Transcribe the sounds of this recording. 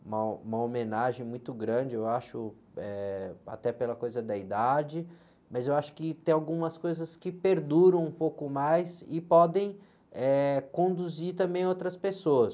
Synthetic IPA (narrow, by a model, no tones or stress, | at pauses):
ũmɐũmɐomẽnaʒẽj̃mũj̃t̪ʊɡɾɐ̃d͡ʒɪewaʃʊ | ɛa̰t̪ɛpelɐkojzɐd̪ɐid̪ad͡ʒɪ | mɐzewaʃʊ̥kɪt̪ẽj̃awɡũmɐskojzɐskɪpeɾd̪uɾɐ̃w̃ũpowkʊmajsɪpɔd̪ẽj̃ | ɛkõnd̪uziɾt̪ɐ̃mbẽj̃ɐowt̪ɾɐspesoɐs